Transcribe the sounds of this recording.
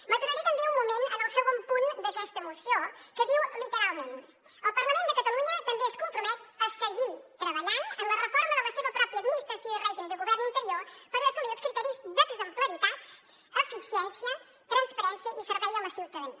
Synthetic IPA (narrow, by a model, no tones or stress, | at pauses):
mət̪uɾaɾit̪əmbeumːumenə̰nəlˠsewβompund̪əkɛst̪əmusjokəðiwlit̪əɾalˠmẽn | əlˠpəɾləmend̪əkət̪əluɲət̪əmbeəskumpɾumɛt̪əsəɣit̪ɾəβəʎanənlərəfoɾməðələseβəpɾɔpɾiəd̪minist̪ɾəsjoirɛʒimd̪əɣuβɛɾnint̪əɾiopəɾəsumiɾəskɾit̪ɛɾizd̪əɡzəmpləɾit̪at̪ | əfisjɛnsjə | t̪ɾənspəɾɛnsjəʔisəɾβɛjələsiuwt̪əðəniə